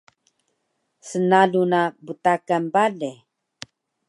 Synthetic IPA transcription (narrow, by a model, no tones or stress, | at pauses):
sənalunabutakanbale